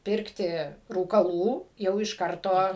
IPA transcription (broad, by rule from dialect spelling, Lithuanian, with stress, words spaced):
ˈpʲɪrktʲɪ ruːkɐˈlˠuː jɛʊ ɪʃ ˈkɐrtoː